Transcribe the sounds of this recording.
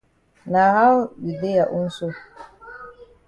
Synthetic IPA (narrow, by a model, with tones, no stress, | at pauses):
na˨ha˦wɗi˨de˦ja˨ʔu˦n˦su˦